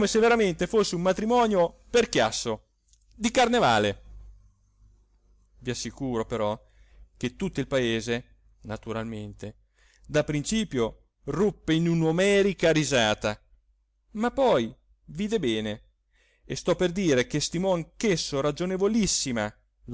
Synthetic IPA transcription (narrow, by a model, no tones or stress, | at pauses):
meseveɾament̪efosːeummat̪ɾimɔːnjo | perkjasːo | d̪ikarneva̰ːle | viasːikuːɾopeɾɔ | k̟et̪ːut̪ːoilpaeːze | nat̪uɾalment̪e | d̪apːɾint͡ʃiːpjo | rupːeinunomɛːɾikaɾizaːt̪a | mapːɔj | viːd̪ebɛːne | est̪ɔpːerd̪iːɾek̟est̪imɔaŋkesːoɾad͡ʒonevolisːima | l